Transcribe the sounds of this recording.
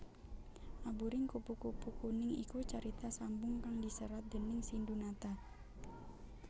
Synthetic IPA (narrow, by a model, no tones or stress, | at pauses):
ʔabuɾɪŋkupukupukunɪŋḭkut͡ʃaɾit̪asambʊŋkaŋdisəɾat̪̚dənɪŋsindunat̪a